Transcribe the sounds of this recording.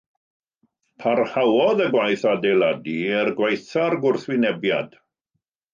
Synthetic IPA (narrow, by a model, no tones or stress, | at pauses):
pʰarhawɔðəɡwajθadejladiɛrɡwajθarɡʊrθwɪnɛbja̰d̥